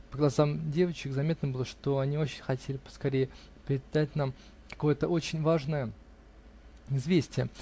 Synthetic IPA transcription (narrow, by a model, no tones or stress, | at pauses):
pəɡlˠɐzamdʲe̞vət͡ɕɪkzɐmʲe̞t̪nəbɨlˠəʂt̪o̞ɐnʲio̞t͡ɕɪnʲxɐtʲelʲɪpə̥skɐɾʲejɪ | pʲɾʲɪɪd̪at̚ʲnam | kɐ̥ko̞jət̪əʔo̞t͡ɕɪnʲvaʐnəjə | ɪzvʲesʲtʲɪjə